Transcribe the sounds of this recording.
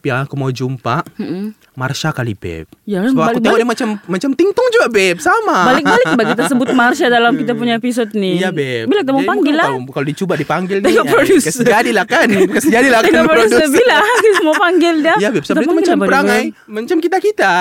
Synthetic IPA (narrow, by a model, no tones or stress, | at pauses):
piaŋakumawd͡ʒumpaʔm̩ | ma̰rʃakalḭbɛ̰p̚jakaəbakbal̚dɛmat͡ʃammat͡ʃamt̪iŋt̪ɔŋd͡ʒuɡabɛp̚samabalɪk̚balɪk̚baʔkit̪asəbʊt̪̚marʃadalamkit̪apuɲaepis̬ɔt̪̚nijabɛbilakit̪amawpaŋɡɪllːakalodit͡ʃubat̚dipaŋɡɪlɛŋɔʔpɾodussd͡ʒadilahkankasd͡ʒadilakt̪ɛŋɔʔpɾouduəbilamapaŋɡɪld͡ʒajabɛp̚st̪apamaɡlambaləɾaŋaj | maɲt͡ʃamkit̪akit̪a